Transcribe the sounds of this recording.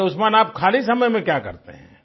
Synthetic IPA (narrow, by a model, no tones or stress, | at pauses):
ʊsmaːnaːp̚kʰaːlis̬ɐməjmẽkjaːkɐ̰ɾt̪ḛɦɛ̰̃ː